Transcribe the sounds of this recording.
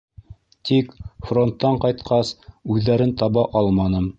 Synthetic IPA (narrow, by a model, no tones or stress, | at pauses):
t̪ikfro̞nt̪ːɑɴqɑjt̪qɑsʉðːæɾɘnt̪ɑβɑʔɑlˠmɑnɤm